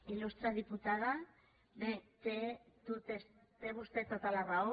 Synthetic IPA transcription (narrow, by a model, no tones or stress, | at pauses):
ilust̪ɾaðiput̪að̞a | det̪et̪ut̪es | t̪eβust̪et̪ːot̪alarao